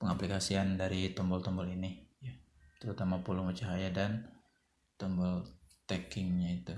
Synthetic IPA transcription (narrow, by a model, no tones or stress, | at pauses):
pəŋaplikasiandaɾit̪ɔmbɔlt̪ɔmbɔlinija | t̪əɾut̪amapulumət͡ʃaɦajadan | t̪ɔmbɔlt̪ɛkɪŋɲait̪u